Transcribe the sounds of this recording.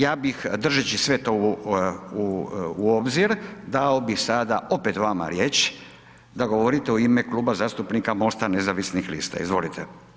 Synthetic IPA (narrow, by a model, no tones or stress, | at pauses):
jaːbixd̪r̩ʒet͡ɕisʋe̞t̪o | uuobziɾd̪ao̞bixsad̪ao̞pet̪ʋama̰ɾjet͡ʃ | d̪aɡo̞ʋoɾit̪e̞uimekluːbazaːst̪upnikamo̞ːst̪anezaʋisnixlḭːst̪a̰ḭzʋo̞̰lit̪ʰe